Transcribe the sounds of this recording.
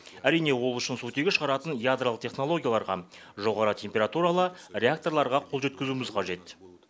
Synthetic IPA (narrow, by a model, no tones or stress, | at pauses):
æɾijne̞wo̞lˠʏʃɪnsut̪e̞ɡʲeʃəʁɑɾɑt̪ənjad̪ɾaləq̚t̪ʰʲeχno̞lˠo̞ɡʲijalˠɑɾʁɑ̰ | ʒo̞ʁɑɾət̪ʲʰe̞mpʲe̞ɾat̪uɾalˠərʲe̞akt̪o̞rlˠɑɾʁɑqʰolˠʒe̞t̪̚kʲɪzumɪzqʰɑʒe̞t̪